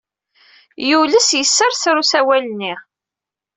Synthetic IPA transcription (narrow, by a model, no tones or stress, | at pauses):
juləsjəsːəɾθɾusæwælənːiʁ